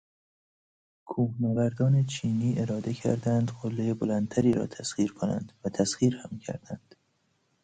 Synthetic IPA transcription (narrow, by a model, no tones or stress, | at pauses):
kʰuːhnævæɾd̪ɒːne̞t͡ʃʰiːniːʔe̞ɾɒːd̪ecʰæ̰ɾd̪ænd̪ɢolːejebolænt̪ʰæɾiːɾɒ̰ːt̪ʰæsχiːɾkʰonæ̰nd̪væt̪ʰæsɣiːɾhæmcʰæ̰ɾd̪̥ænd̪̥